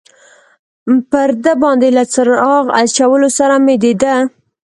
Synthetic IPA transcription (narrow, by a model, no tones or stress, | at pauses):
pəɾd̪əbɑnd̪elat͡səɾɑɣa̰t͡ʃawəlosaɾamed̪ed̪ə